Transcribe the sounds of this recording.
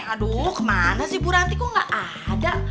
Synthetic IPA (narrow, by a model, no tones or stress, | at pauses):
adukmanasihbuɾant̪ikuŋɡaʔa | da